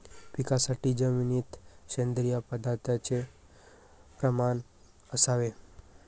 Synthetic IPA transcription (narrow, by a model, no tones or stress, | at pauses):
ʋikasaʈid͡ʒəminit̪ʃend̪ɾijapəd̪at̪at͡ʃʰe | pɾəman | əsaʋe